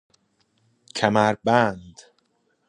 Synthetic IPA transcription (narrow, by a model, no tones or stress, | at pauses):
cʰæmæɾbænd̪̥